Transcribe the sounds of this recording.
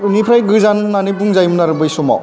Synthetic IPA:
ɾunipʰɾajɡɯzannːanibuŋzajmnaɾɯbɯjsɔma̰w

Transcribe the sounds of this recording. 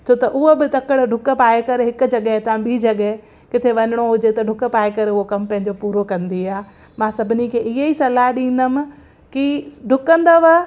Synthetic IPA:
t͡ɕʰoːt̪ɐʔʊɦobɪt̪ɐkəɽɖʱʊkpaːekɐɾɦɪkʊ̆d͡ʑɐɠəɦt̪ʰãɓid͡ʑɐɠəɦe | kɪt̪ʰeʋɐɲɪɽ̃oɦʊd͡ʑet̪ɐɖʱʊkpaːekɐɾʊɦokɐmpɐ̃ɦɪ̃ɲd͡ʑopuːɾokɐ̃nd̪iaː | mãːsɐbʱɪnikʰeːɪɦeisɐlaɦɗĩːn̆d̪əmɪ̆ | kiɖʱʊkə̃nd̪aʋɐ

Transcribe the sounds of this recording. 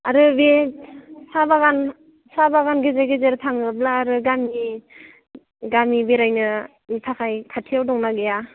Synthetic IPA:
aɾɯbe | sabaɡan | sabaɡanɡezeɡezeɾtʰaŋɯblaːɾɯɡami | ɡamibeɾajnɯ | nitʰakʰajkʰatʰijawdɔŋnaɡeja

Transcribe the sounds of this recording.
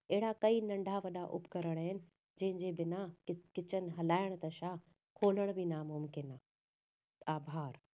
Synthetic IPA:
ɐɦɪɽakɐinɐ̃ɳɖʱaʋɐɗaʔʊ̰pkɐɾəɽ̃əɦɪnɪ̆ | d͡ʑɐ̃ɦɪ̃ɲd͡ʑebɪnaɪkɪt͡ɕənɪ̆ɦɐlaːɪɽ̃t̪ɐʃaː | kʰoːləɽ̃bɪnaːmʊmkɪnaː | aːbʱaːɾ

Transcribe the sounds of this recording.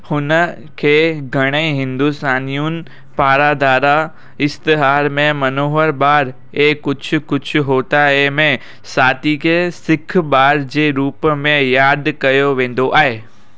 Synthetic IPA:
hʊnə | kʰeːɡʱɐɽ̃əiɦɪ̃nd̪ust̪aːnijunɪ̆ | paːɾad̪aːɾa | ɪst̪ɪɦaːɾmẽmɐnoːɦəɾɓaːɾ | eːkʊd͡ʑʰʊ̆kʊd͡ʑʰʊ̆ɦoːt̪aemẽ | saːt̪ikʰesɪkʰɓaːɾd͡ʑeːɾuːpmẽjaːd̪kɐjoʋẽːn̆d̪oʔaːɦeː

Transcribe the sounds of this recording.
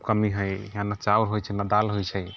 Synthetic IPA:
kəmiɦəjjãnat͡ʃauɾɦojt͡ʃʰɛnad̪alɦojt͡ʃʰə

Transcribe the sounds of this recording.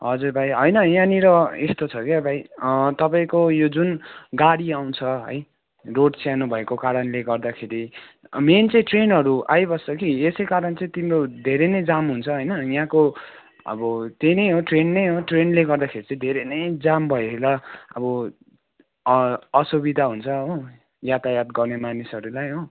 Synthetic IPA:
ɦʌd͡zuɾbʱajɦʌjnʌjãniɾʌest̪ot͡sʰʌkeʌbʱajʌt̪ʌpaĩkojod͡zunɡaɽiaw̃t͡sʰʌɦʌ̰j | roɖsanubʱʌekokaɾʌnleɡʌrd̪akʰeɾiment͡sʌĩʈrenɦʌɾuʔajbʌsʌkiesʌjkaɾʌnt͡sʌĩt̪imrod̪ʱeɾenʌjd͡zamɦunt͡sʰʌɦʌjnʌjãko | ʌ̰bʌt̪enʌjɦoʈrenːʌjɦoʈrenleɡʌrd̪akʰeɾit͡sʌ̃ĩd̪ʱeɾenʌjd͡zambʱʌeelʌʌ̰bʌ | ʌsubid̪ʱaɦunt͡sʰʌɦo | jat̪ajat̪ɡʌrnemanisʌɾulajɦo

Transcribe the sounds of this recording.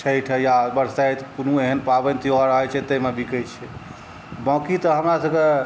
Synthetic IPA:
t͡ʃʰəjʈʰɛjabəɾsajt̪kunueɦənpabənt̪ʰiɔɾəɦət͡ʃʰɛt̪əɦmebikəjt͡ʃʰɛ | bɔ̃kit̪əɦəmɾasəbke

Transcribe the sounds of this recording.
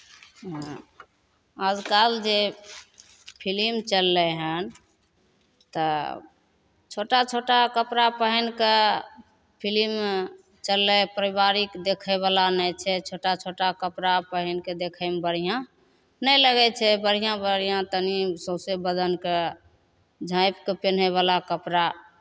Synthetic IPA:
ad͡ʒkald͡ʒe | pʰilimt͡ʃəlːɛɦən | t̪ə | t͡ʃʰoʈat͡ʃʰoʈakəpɾapəɦənke | pʰilim | t͡ʃəlːɛpɾibaɾikd̪ekʰɛβalanɛt͡ʃʰɛt͡ʃʰoʈat͡ʃʰoʈakəpɾapəɦənked̪ekʰəmbəɽ̤ijã | nəjləɡɛt͡ʃʰɛbəɽ̤ijãbəɽ̤ijãt̪ənisõsebəd̪ənke | d͡ʒʱãɪpkepen̤ɛβalakəpɾa

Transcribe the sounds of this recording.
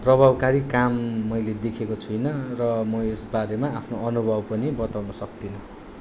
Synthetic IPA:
prʌbʱabkaɾikamːʌjled̪ekʰekot͡sʰujnʌrʌmʌesbaɾemaːpʰnoʌnubʱʌbpʌnibʌt̪awnʌsʌk̚d̪inʌ

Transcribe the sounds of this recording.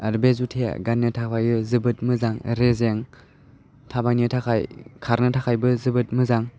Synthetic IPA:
ɐɾbezutʰea̰ɡanːɯtʰawʰajɯzɯbɯt̚mɯzaŋɾezeŋ | tʰabajniɯtʰakʰajkʰaɾnɯtʰakʰajbɯzɯbɯt̚mɯzaŋ

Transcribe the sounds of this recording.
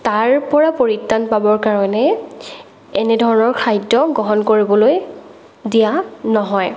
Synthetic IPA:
taɹpɔɹapoɹitːanpabɔɹkaɹɔnɛ | ɛnɛdʱɔɹɔnɔɹkʰajdɔɡɔɦɔnkoɹibɔloj | dijanɔɦɔj

